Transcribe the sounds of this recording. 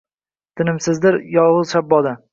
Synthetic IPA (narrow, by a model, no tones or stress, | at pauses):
t̪ʰɪnɪmsɪzd̪ɪɾjɒwʊzʃabːɒd̪a